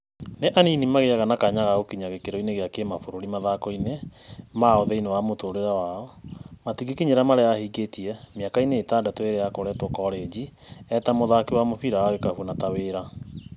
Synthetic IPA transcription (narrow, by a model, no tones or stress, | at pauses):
neʔaninimaɣeaɣanakaɲaɣaɣokiɲaɣekeɾoineɣeakemafoɾoɾimaðakɔinemaoðɛinewamotoɾeɾawaɔmatiɡikiɲeɾamaɾeahiːɡetiɛmjakaineːtadatoeɾejakoɾɛtokɔɾed͡ʑiɛtamoðakiwamofiɾaaɣekahuonataweɾa